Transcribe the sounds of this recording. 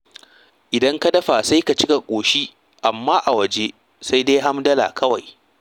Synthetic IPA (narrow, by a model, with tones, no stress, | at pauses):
ʔɪ˨dɐ˦ŋka˦dɐ˦ɸa˨sa˦jka˨t͡ʃɪ˦ka˨kʷʼoː˨ʃiː˦ | ʔa˨mːaː˦ʔa˨wɐ˨d͡ʒe˦ | sa˦jda˦jɦa˦mdɐ˦la̰˨kʰɐ˦wa˨j